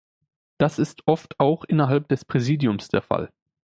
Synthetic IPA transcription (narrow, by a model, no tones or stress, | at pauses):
d̥asɪstʔɔftʰaʊxʔɪnɐɦalp̚d̥ɛspʁ̥ɛziːdjʊmsd̥eːɐfa̰l